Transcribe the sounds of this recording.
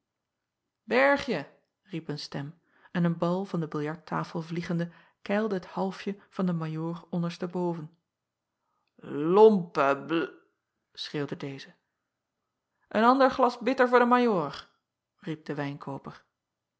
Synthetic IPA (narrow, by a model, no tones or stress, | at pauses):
bɛɹχjə | ripənstɛm | ɛnənbɑlˠvɑndəbɪlˠjɑɹtʰːaːfəlˠvliχəndə | kɛjlˠdəɦəthɑlˠfjəv̥ɑndəmajoːrɔndəɹstəbowvən | lɔmpə | sχeːwdədejzə | ʔənɑndəɹχlɑsbɪtəɹvʊːdəmajoːɹ | rip̚d̥əʋɛjnkʰoːwpəɹ